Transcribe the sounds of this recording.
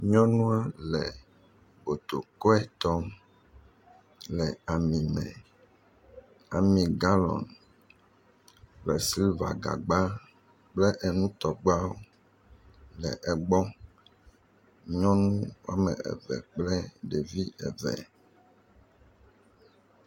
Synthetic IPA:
ɲɔ̃˦nũ˦a˦lɛ˨ | bo˨t̪o˨kɔ˦ɛ˦t̪ɔ˦m | lɛ˨a˨mĩ˨mɛ̰̃˨ | a˨mĩ˨ɡa˦lɔ̰˨n | lɛ˨si˦lva̰˨ɡa̰˨ɡ͡ba˦ | k͡plɛ˦ʔɛ˨nũ˦t̪ɔ˨ɡ͡ba˦wo˦ | lɛ̰˨ʔɛ˨ɡ͡bɔ˦ | ɔ̃˦nũ˦wa̰˦mɛ̰̃˨ɛ̰˨vɛ̰˨k͡plɛ˦ɖe˨vi˦ɛ̰˨vɛ̰˨

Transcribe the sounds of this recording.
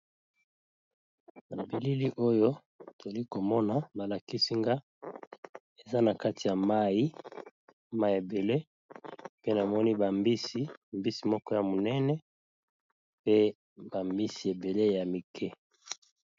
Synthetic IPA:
na˨bi˨li˦li˦ʔo˦jo˦ | to˨li˦ko˨mɔ˦na˨ba˨la˨ki˦si˦ŋɡa˦ | e˨za˦na˨ka˦ti˨ja˨ma˦ji˦ | ma˦i˨e˨be˨le˦ | pe˦na˨mɔ˦ni˦ba˨mbi˦si˦˨mbi˦si˨mɔ˦kɔ˦ja˨mo˨nɛ˦nɛ˦ | pe˦ | ba˨mbi˦si˨e˨be˨le˦ja˨mi˨kʰɛ˦

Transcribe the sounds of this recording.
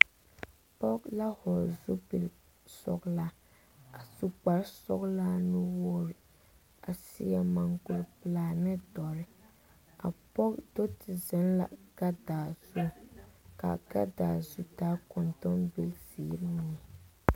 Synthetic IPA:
pɔ˦kla˦hɔ˨zu˦pi˨l | sɔ̰˨kla˦ | a˨su˦k͡pa˨ɾsɔ̰˦kla˦nu˦wɔː˦ɾɪ˨ | a˨sḭ˦a˦ma˨ŋɡʊ˨lplaː˦˨nɨ˦dɔ˨ɾɪ˦ | a̰˨pɔ˦kdo˦tɪ˨zɛ˦nla̰˨ɡ̥a˦daː˨zu˦ka̰˨ɡa̰˦daː˨zu˦daː˦kɔ˨ntɔ˦mbi˦lzi˨˦ɾni˨ɛ˨

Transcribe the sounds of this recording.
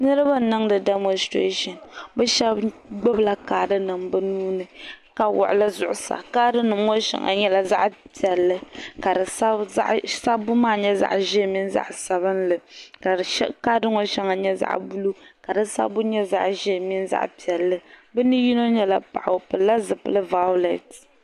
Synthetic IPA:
nɨ˦ɾɨ˦ba˦˨nɨ˦ŋdɨ˨dɛ˦mo˦nstɾḛ˦ʃɔ˨nbɛ˦ʃɛ˦bɡ͡bɛ˦bla˦kaː˨dɨ˦nɨ˨mbɨ˦nuː˦nɨ˨ka˨wʊ̰˨ʔʊ˨lɨ˦zʊ˨ʔʊ˨sa̰˨kaː˦dɨ˦nɨ˨mŋo˦ʃɛ̰˨ŋa̰˨ɲɛ˦la˨za̰˦ʔpi˨ɛ˨lːɨ˦ka˨dɨ˨sa̰˦ʔsa˦bʊ˦maː˦˨ɲɛ˦za̰˦ʔʒɛ˦˨mi˦n˦za̰˦ʔsa˨βɨ˦nlɨ˨ka˨˦ka˦dɨ˦ŋo˦ʃɛ˦ŋa˨ɲɛ˦za̰˦ʔbu˦lu˦ka˨dɨ˦sa̰˦bʊ˦ɲɛ˦za̰˦ʔʒɛ˦˨mi˦nza̰˦ʔpi˨ɛ˨lːɨ˦bɨ˦nɨ˦ji˦no˦ɲɛ˦la̰˨pa̰˨ʔa˨pɨ˨lla˦zɨ˨pɨ˦lɨ˦va˦ʊ˦lɛ˨t

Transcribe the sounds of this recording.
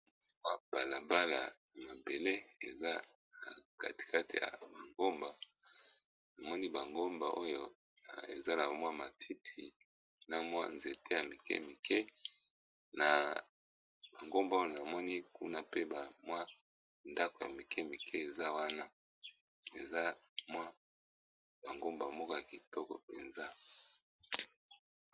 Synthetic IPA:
mwa˦b̥a˨la˨ba˦la̰˨ | ma˨be˨le˦e˨za˦ | na˨ka̰˨ti̥˨kʰa˦tḭ˨ja̰˨ba˨ŋɡo˦mba˨ | na˨mɔ˦ni˦ba˨ŋɡo˦mba˨ʔo˦jo˨ | ḛ˨za˦na˨mwa˦ma˨tʰi˦tʰi˨ | na˦mwa̰˦nze˨te˦ja˨mi˨kɛ̰˦mi˨kʰɛ˦ | na˨ | ba˨ŋɡo˦mba˨˦o˦jo˨na˨mɔ˦ni˦ku˦na˦pe˦ba˨mwa˦ | nda˦ko˨ja˨mi˨kʰɛ˦˨mi˨kʰɛ˦e˨za˦wa˦na˦ | e˨za˦mwa˦ | ba˨ŋɡo˦mba˨mɔ˦kɔ˦ja˨ki˨tɔ˦kɔ̰˨pḛ˨nza˦

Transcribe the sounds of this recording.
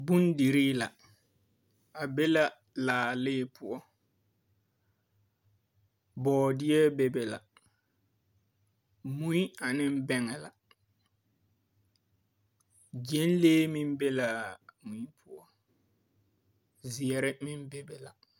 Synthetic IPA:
bu˦n˦di˨ɾiː˦la˨ | a˨be˦la˨ | laː˨lɪː˦pʰʊ˦ɔ˦ | bɔː˨dɪ˦ɛ˦be˨bɛ˨la̰˨ | mu˦i˦a˨nɪ˦m˦bɛ˦ŋɛ˨la˨ | d͡ʒe˦n˦leː˦mɪ̃˦m˦be˦la˨mu˨i˦pʰʊ˦ɔ˦ | zi˨ɛ˨ɾɪ˦mɪ˦m˦be˨bɛ˨la˨

